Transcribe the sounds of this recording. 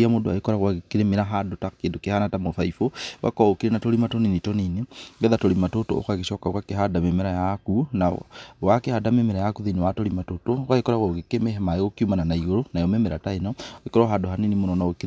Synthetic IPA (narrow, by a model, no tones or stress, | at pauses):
amoːdoa̰ekoɾaɣwaɣekiɾemeɾaɦadotakeːndokehanatamofaifowa̰kɔokiɾenatolimatoninitoniniŋɡɛðatolimatoto̰o̰kaɣeʃɔkakwakeɦadamemeɾajakunawakehadamemeɾajakuðinewatolimatotokaekoɾaɣwoɣekemeɦemaeɣokjumananaiɣoɾonajomemeɾa̰taenɔekoɾɔɦadoɦaninimonɔnaoki